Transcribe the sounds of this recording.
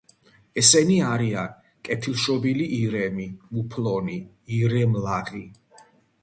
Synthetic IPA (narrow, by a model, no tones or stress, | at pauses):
ɛsɛniaɾia | kʼɛt̪ʰilˠʃɔbiliʔiɾɛmimupʰlɔni | iɾɛmlaʁi